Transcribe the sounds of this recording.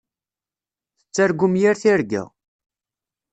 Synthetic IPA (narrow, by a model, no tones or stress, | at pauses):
θət͡sːæɾɡːumjiɾθiɾɡæ̰